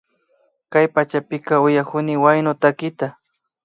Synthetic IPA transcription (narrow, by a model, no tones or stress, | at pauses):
kajpat͡ʃapɪkɑʊjakʊnɪwajnʊt̪akɪt̪a